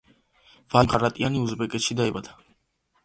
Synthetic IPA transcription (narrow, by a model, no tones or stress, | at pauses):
vamqʰʼaɾat̪ʼianiuzbɛkʼɛt̪ʃid̪aibad̪̥a